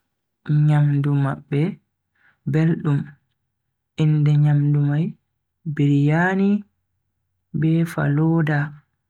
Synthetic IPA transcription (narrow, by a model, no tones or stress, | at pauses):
ɲamdumaɓːɛ | belɗum | ʔindɛɲamdumaj | biɾjaːni | bɛːfa̰lɔːda